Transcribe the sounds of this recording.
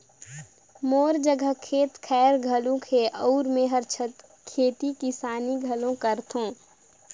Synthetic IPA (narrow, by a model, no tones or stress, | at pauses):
moːɾd͡ʒəɡʱəkʰeːt̪kʰɛːɾɡʱəlõkʰeʔɔːɾmẽɦɐɾt͡ʃʰət̪ | kʰeːt̪ikisaːniɡʱəlõkəɾt̪ʰõː